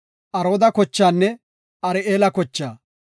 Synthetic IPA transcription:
ʔɐɾo̞ːd̪ɐkɔt͡ʃːaːnːɛ | ɐɾɪeːlɐkɔt͡ʃːaː

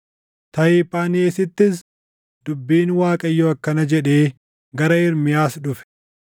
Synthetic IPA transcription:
t̪ɐɪpaːneːsɪt̪ːɪs | d̪̥ʊbːiːnwaːkʼɐɪjːoːɐkːɐnɐd͡ʒɛᶑe̞ː | ɡɐɾɐɪɾmɪjaːsᶑʊfɛ̥

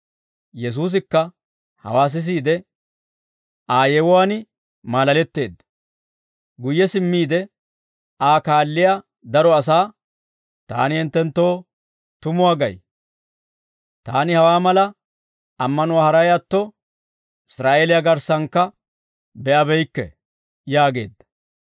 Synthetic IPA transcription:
jɛs̬uːs̬ɪkːɐ | hɐ̰waːs̬ɪs̬iːd̪ɛ | ʔaːjɛwʊwaːnɪ | maːlɐlɛt̪ːe̞̰ːd̪ː | ɡʊjːɛsɪmːiːd̪ɛ | ʔaːkaːlːɪja | d̪ɐɾɔɐs̬aː | t̪a̰ːnɪhɪnt̪ːɛnt̪ːo̞ː | t̪ʊmʊwaːɡɐ̰j | t̪a̰ːnɪhɐwaːmɐlɐ | ɐmːɐnʊwaːhɐɾɐjjat̪ːɔ | ɪsɾaːʔeːlɪjaɡɐɾsɐŋkːɐ | bɛʔɐbɛjkːɛ̰ | jaːɡe̞̰ːd̪ːɐ̥

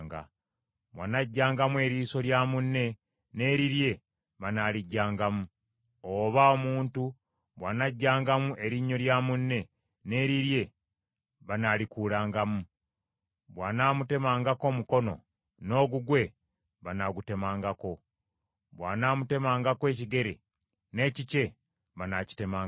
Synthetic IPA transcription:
ŋɡa̰ | βwa̰naɟːaːŋɡamue̞ːɾiːso̞ljaːmunːe̞ | ne̞ːɾiɾje̞ | βanaliɟːaːŋɡamu | oβao̞muːntu | βwaːnaɟːaːŋɡamuʔe̞ɾiɲːo̞ɾjaːmunːe̞ | ne̞ːɾiɾje̞ | βanalikuːlaːŋɡamu | βwaːnaːmute̞maːŋɡako̞ːmuko̞no̞̰ | no̞ːɡuɡwe̞ | βanaɡute̞maːŋɡako̞ | βwaːnaːmute̞maːŋɡakwe̞ːciɡe̞ɾḛ | ne̞ːcice̞ | βanaci̥te̞maːŋ

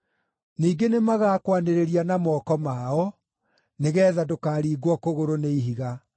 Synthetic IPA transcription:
niːɡenemaɣaːkwaneɾeɾianamɔːkɔmaɔ | neɣɛːðadokaːɾiːɡwɔkoɣoɾoneiɦiɣa

